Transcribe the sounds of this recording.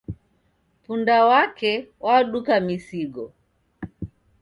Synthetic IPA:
pundawakɛwaɗukamisiɡɔ

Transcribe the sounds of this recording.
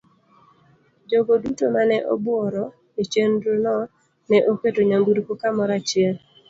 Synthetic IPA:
d͡ʒoɡodutomanɛʔo̰bwɔɾɔ | it͡ʃendɾonɔ | nɛʔoketoɲaŋɡuɾkokamɔɾat͡ʃɪɛl

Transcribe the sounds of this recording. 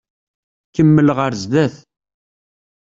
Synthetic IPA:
kːəmːəlʁəɾzðæθ

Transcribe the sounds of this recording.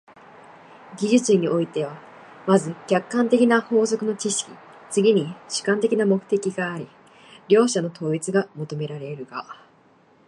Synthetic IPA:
ɡʲiʑɨt͡sɨɲ̟iʔo̞it̪e̞β̞a | mazɨkʲakːãnt̪e̞kʲinaho̞ːzo̞kɯ̟no̞t͡ɕiɕi̥kʲi̥t͡sɨɡʲiɲ̟iɕɨ̥kãnt̪e̞kʲinamo̞kɯ̟̥t̪e̞kʲiɡaːɾʲi | ɾʲo̞ːɕano̞t̪ʰo̞ːit͡sɨɡamo̞t̪o̞me̞ɾaɾe̞ɾɯ̟ɡa̰

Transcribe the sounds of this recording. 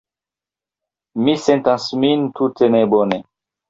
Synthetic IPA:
misent̪ãnsmint̪ut̪enebone

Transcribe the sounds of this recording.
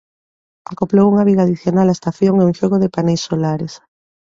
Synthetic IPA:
akoplowuŋaβ̞iɣaðiθjonalaest̪aθjoŋeuŋʃoɣoðepanejsːolaɾes

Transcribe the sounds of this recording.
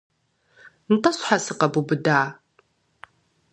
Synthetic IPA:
ntʼɐɕħasɨqɐbubɨdaː

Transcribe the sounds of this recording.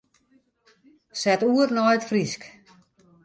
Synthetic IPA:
sɛtuːərnɔjətfrisk

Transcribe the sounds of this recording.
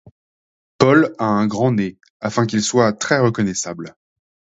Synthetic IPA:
pɔlaɛ̃ɡʁɑ̃ne | afɛ̃k̬ilswat̪χɛʁəkɔnɛsabl

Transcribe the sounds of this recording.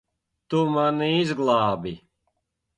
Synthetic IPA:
t̪umaniizɡlˠɑːbi

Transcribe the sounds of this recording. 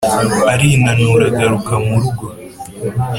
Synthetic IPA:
aɾiːnanuɾaɡaɾukamuɾuɡo

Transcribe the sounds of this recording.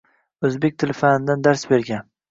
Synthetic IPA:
ɵzbe̞k̚ʲt̪ʰɪlfanɪd̪and̪aɾsbe̞ɾɡʲan

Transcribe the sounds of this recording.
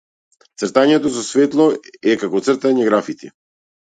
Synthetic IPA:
t̪srt̪aɲɛt̪ɔsɔsvɛt̪lˠɔɛkakɔt̪srt̪aɲɛɡɾafit̪i

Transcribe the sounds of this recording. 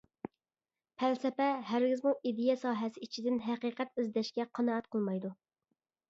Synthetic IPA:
pʰælsɛpɛɦæɾɡʲɪzmuʔid̪ejɛsɑːɦɛsɪit͡ʃʰid̪ɪnɦæqiːqɛt̪yzd̪ɛʃkʲɛqʰɑnɑːɛt̪̚qʰəlˠmɑjd̪u

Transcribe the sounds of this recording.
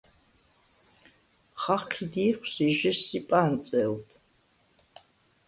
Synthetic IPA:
χaqʰidiːχʷsiʒɪsipʼaːnt͡sʼɛltʰʼ

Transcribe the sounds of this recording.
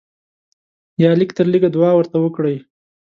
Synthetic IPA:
jɑlikt̪əɾliɡad̪wɑwəɾt̪awəkɽəj

